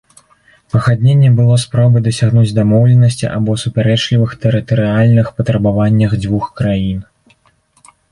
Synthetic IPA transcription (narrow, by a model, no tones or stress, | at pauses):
pɐɣad̪ʲnʲenʲːɛbɨlˠɔspɾɔbɨd̪ɐsʲaɣnud͡zʲd̪amɔwlʲɛnɐsʲt͡sʲḭʔa̰bɔsupʲaɾɛt͡ʂlʲivɨxt̪ɛɾɨt̪ɐɾɨalʲnɨxpɐt̪ɾɐbavanʲːɐɣd͡zʲvuxkɾajin